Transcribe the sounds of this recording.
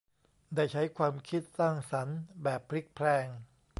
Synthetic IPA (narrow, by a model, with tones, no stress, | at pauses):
daː˥˩jt͡ɕʰa˦˥jkʰwaː˧mkʰi˦˥t̪̚saː˥˩ŋsa˩˦nbɛː˨˩pʰːɾi˦˥˩k̚pʰɾɛː˧˩ŋ